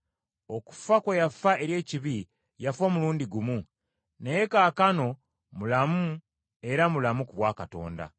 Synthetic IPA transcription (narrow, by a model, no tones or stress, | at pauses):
o̞ku̥fakwejafae̞ɾje̞ːciβi | jafo̞ːmuluːndiɡumu | nejekaːkano̞ | mulamu | e̞ɾamulamukuβwaːkato̞̰ːnda̰